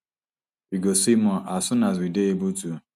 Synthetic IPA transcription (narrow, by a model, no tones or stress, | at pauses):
iɡosimɔ̃ʔasũnazideebutu